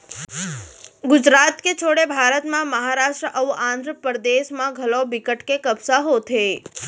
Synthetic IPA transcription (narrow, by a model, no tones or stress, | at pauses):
ɡʊd͡ʒɾat̪ket͡ʃʰoɽebʱaɾət̪mãməɦaɾaʃʈɾəʔəʋuʔãnd̪ʱɾəpəɾəd̪eʃmãɡʱəlobikəʈkekəbsaɦot̪ʰe